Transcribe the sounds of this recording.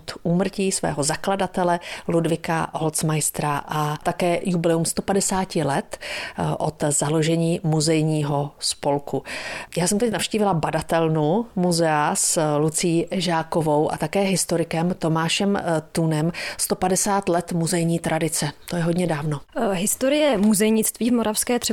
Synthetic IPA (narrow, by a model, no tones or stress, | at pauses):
t̪uːmr̩ciːsvɛ̰ːɦo̞zakladat̪ɛlɛludvɪka̰ɦolt͡smajst̪ɾaʔat̪akɛːjublɛumst̪o̞padɛsaːcɪlɛt̪ʔot̪zalo̞ʒɛɲiːmuzɛjɲiːɦo̞spo̞lkujaːsɛmt̪ɛcnafʃciːvɪlabadat̪ɛlnumuzɛaslut͡sɪjːʔɛʒaːko̞vo̞wʔa̰t̪akɛːɦɪst̪oɾɪkɛmt̪o̞maːʃɛmt̪unɛmst̪opadɛsaːt̪lɛt̪muzɛjɲiːt̪ɾʔadɪt͡sɛt̪o̞jɛɦodɲɛdaːvno̞ɦɪst̪oɾɪjɛmuzɛjɲɪt͡st̪viːvmoɾafskɛːt̪r̥ɛ